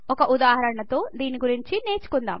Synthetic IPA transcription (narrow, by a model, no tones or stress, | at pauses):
ɔkɐʔud̪aːɦɐɾɐɳɐt̪o̞ːd̪iːniɡuɾiɲt͡ʃine̞ːt͡ʃu̥kund̪a̰ːm